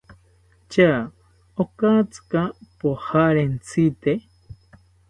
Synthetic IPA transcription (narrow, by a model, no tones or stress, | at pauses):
t͡ʃa | okat͡sɨ̥kapohaɾent͡sʰit̪e